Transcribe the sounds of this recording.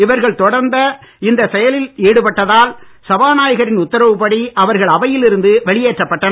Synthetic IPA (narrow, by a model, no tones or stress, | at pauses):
ɪʋɐɾɣɐɭt̪ɔɽɐɾnd̪ɐ | ɪnd̪ɐsɛjɐlɪliːɽɯpɐʈːɐðaːlsɐbaːnaːjɐɣɐɾɪnʊt̪ːɐɾɐʋɯpɐɽiʔɐʋɐɾɣɐɭɐʋɐjɪlɪɾɯnd̪ɯʋɐɭɪjeːʈrɐpːɐʈːɐnɐ